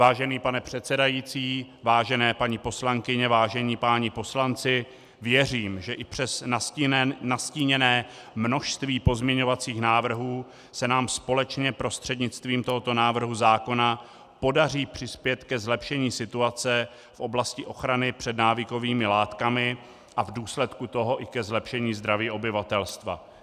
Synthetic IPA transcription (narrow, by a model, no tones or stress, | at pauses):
vaːʒɛniːpanɛpr̝̥ɛt̪sɛdajiːt͡siː | vaːʒɛnɛːpaɲɪpo̞slaŋkɪɲɛvaːʒɛɲiːpaɲɪpo̞slant͡sɪ | vjɛriːmʒɛʔɪpr̥ɛs | nasciːɲɛnɛː | mno̞ʃst̪viːpo̞zmɲɛɲo̞vat͡siːxnaːvr̩ɦuː | sɛnaːmspo̞lɛt͡ʃɲɛpɾo̞st̪r̝̥ɛdɲɪt͡st̪viːmt̪o̞ɦot̪o̞naːvr̩ɦuzaːko̞na | po̞dariːpr̝̥ɪspjɛt̪kɛzlɛpʃɛɲiːsɪt̪uat͡sɛ | fʔo̞blascɪʔo̞xɾanɪpr̝̥ɛdnaːvɪko̞viːmɪlaːt̪kamɪ | ʔavduːslɛt̪kut̪o̞ɦo̞ʔɪkɛzlɛpʃɛɲiːzd̪ɾaviːʔo̞bɪvat̪ɛlst̪va̰